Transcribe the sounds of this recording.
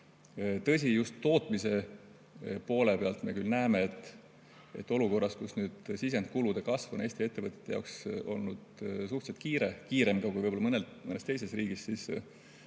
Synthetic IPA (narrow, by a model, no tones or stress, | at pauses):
t̪ɤ̞s̬ʲijust̪ːo̞ːt̪ˑmise̞ | po̞ːle̞pe̞ɑlt̪ˑme̞kylnæemeet̪ːˑ | e̞̰t̪ːˑo̞luko̞rːɑskusnyːd̪̥sis̬e̞nt̪̚kulud̪̥e̞kɑsvune̞ːsʲt̪ie̞t̪ːevət̪ʲje̥t̪ːejɑ̰kso̞̰lnud̪̥suht̪set̪kiːɾekiːɾe̞mɡɑkujvɤjbolːɑɤnelmɤnest̪e̞jse̞sriːɡ̥issis